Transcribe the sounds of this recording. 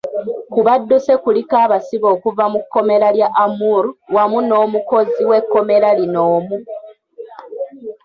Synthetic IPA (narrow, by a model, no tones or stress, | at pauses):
kuβadːuse̞kulikaːβasiβo̞ːkuvamukːo̞me̞ɾaljaʔamuɾuwamuno̞ːmuko̞ziwe̞kːo̞me̞ɾalinoːmu